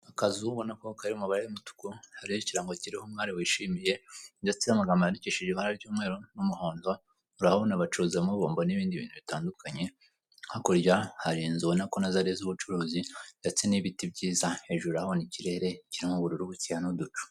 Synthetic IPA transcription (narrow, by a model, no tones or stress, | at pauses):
akazuβo̞nakokaɾiumuβaɾejumutu̥kuhaɾiheciɾaŋɡo̞ciɾihomŋaːɾiwiːʃiːmije̞ndat͡siamaɡamaaɾiciʃiʒiaɾaɾɟuːmŋe̞ːɾo̞numuho̞ːndo | uɾahaonaβat͡ʃuɾuzemuβoːmboniβiːndiβḭːnhuβitaːndukʰaɲe̞ | hakoɾɟahaɾinzuβonakonazaɾezuβut͡ʃuɾuːzidat͡siniβitibɟiːzae̞ʒuɾahoniciɾe̞ɾe̞ciɾimuβuɾuɾuβut͡sihanodut͡ʃu̥